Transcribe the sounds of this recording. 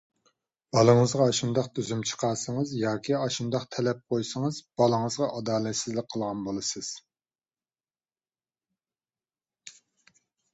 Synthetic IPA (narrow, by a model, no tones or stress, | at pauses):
b̥ɑlˠəŋəzʁɑɑʃund̪ɑq̚d̪yzymt͡ʃʰə̥qʰɑːsəŋəzjɑːkʲiɑʃund̪ɑqt̪ʰɛlɛp̚qʰojsəŋəzb̥ɑlˠəŋəzʁɑʔɑd̪ɑːlɛt̪sɪzlɪk̚ʲqʰːəlˠʁɑnbolˠɨsɨz̥